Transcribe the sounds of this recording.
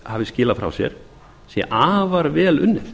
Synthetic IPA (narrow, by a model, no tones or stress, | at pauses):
havðɪscɪːlafɾa̰wsjɛ̰ɾ̥ | sjɛ̰ʔaːvaɾvɛːlʏnːɪθ